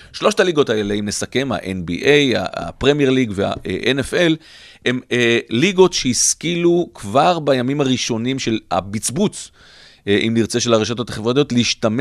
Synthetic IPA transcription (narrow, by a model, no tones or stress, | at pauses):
ʃlo̞ʃtaliɡo̞t̪aeleimne̞sake̞mha̰ʔenbiʔe̞ja̰a̰pʁemijeʁliɡvea̰eʔenefe̞l | e̞meliɡo̞tʃeiskilukvaʁbajamimaʁiʃo̞nimʃe̞la̰bit͡sbut͡s | ʔimliʁt͡se̞ʃe̞laʁeʃato̞t̪aχevʁat̪iotleiʃtam